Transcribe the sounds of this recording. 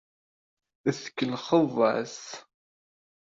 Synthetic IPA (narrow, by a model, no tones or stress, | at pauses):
əθə̥kːəlχəvˤə̰s